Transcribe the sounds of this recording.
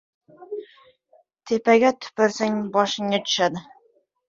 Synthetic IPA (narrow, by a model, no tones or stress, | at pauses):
t̪ʰepaɡʲat̪ʰʊ̥pɪɾsaŋbɒʃɪŋːat̪ʰʊ̥ʃad̪ɪ